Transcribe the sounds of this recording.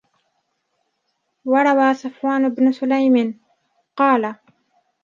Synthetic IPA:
waɾˤɑwaːsʊfwaːnɪbnʊsʊlajmɪn | qɑːla

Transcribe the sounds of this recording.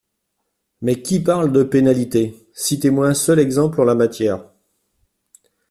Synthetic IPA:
mɛkʲipaʁld̪əpenalit̪e | sit̪emwaɛ̃sœlɛɡzɑ̃plɑ̃lamat̪jɛːʁ

